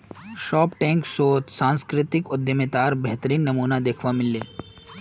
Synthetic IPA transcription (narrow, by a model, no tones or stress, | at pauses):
ʃɔːpʈɛ̃ːŋksoːt̪sãːnskɾɪt̪ɪkʊd̪jəmet̪aːɾbɛɦt̪əɾiːnːɐmuːnad̪eːkʰʋamɪlːeː